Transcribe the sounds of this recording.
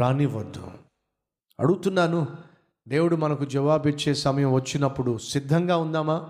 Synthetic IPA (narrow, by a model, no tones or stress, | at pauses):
aːniʋɐd̪ːṵ | ɐ̰ɽuɡt̪unːaːnu | d̪e̞ːwuɽumɐnɐkud͡ʒɐʋaːbit͡ʃːe̞ːsɐmɐjɐmʋɐt͡ʃːinɐpːuɽusid̪ʱːɐŋɡaːund̪aːmaː